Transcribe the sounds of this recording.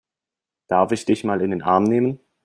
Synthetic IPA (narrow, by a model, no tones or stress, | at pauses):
d̥aɐfɪçd̥ɪçmaːlɪndeːnʔaɐmneːmən